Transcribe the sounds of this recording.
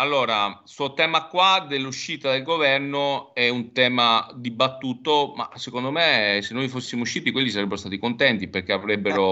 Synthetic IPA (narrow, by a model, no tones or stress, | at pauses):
alːoːɾasuot̪ɛːmakwad̪elːuʃːiːt̪ad̪elɡovɛrnoɛunt̪ɛːmad̪ibat̪ːuːt̪oma̰sekond̪omesenːojfosːimouʃːiːt̪ikwelːisaɾebːeɾost̪at̪ikont̪ɛnt̪iperk̟eavɾebːeɾo